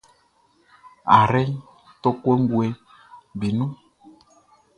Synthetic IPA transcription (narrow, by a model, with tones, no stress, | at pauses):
a̰˨ɾɛ˦ | to˦kwe˦ŋɡwe˧ | bi˨nũ˦